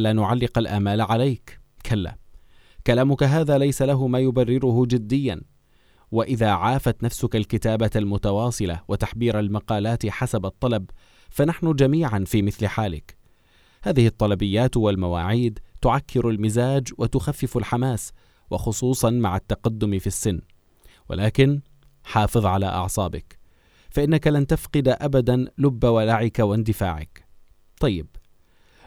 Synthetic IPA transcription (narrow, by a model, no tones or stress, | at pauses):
laːnʊʕalːɪqalʔaːmaːlʕalajk | kʰalːa̰ː | kalaːmʊkaɦaːðaːlajsalaɦʊmaːjʊbarːɪɾʊhʊd͡ʒɪd̪ːɪjːan | waʔɪðaːʕaːfat̪nafsʊkalkɪt̪aːbalmʊt̪awɑːsˤɨla̰wat̪aħbiːɾalmɑqɑːlaːt̪ɪħasabɑt̪ˤːɑlɑb̚ | fanaħnʊd͡ʒamiːʕanfiːmɪθlɪħaːlɪ̰k | haːðɪhɨt̪ˤːɑlɑbɪjːaːt̪walmawa̰ːʕiːd̪t̪ʊʕakːɪɾalmɪzaːd͡ʒwat̪ʊxafːɪfalħamaːs | wɑ̰xʊsˤuːsˤɑnmaʕat̪ːaqad̪ːʊmfisːɪnː | wa̰lʔaːkɪn | ħɑːfɨðˤʕala̰ʔɑ̰ʕsˤɑːbɪk | faʔɪnːakalant̪afqɨd̪aʔabad̪anlʊbːawalaʕɪkawɪnd̪ɪfa̰ːʕɪ̰k | t̪ˤɑjːɪb